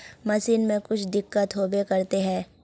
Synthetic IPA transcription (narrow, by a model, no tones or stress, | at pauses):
mɐsiːnmẽkʊt͡ʃʰd̪ɪkːət̪ɦoːbekɐɾt̪eɦɛ̃ː